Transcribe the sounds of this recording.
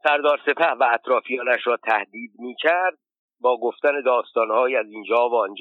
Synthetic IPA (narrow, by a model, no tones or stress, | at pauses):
sæɾd̪ɒːɾse̞pʰæhvæːt̪ʰɾɒːfijɒːnæʃɾɒːt̪ʰæhd̪iːd̪miːcʰæɾd̪̚ | bɒːɡoft̪æne̞d̪ɒːst̪ɒːnhɒːjiːæziːnd͡ʒɒːvoːnd͡ʒ